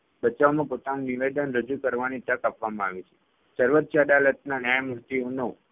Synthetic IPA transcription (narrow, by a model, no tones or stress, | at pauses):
bət͡ʃaʋmãpot̪anũniʋed̪ənɾəd͡ʒukəɾʋanit̪əkapʋamãaʋit͡ʃʰe̥ | səɾʋət̪̚t͡ʃad̪alət̪̚nanjajmuɾt̪iunə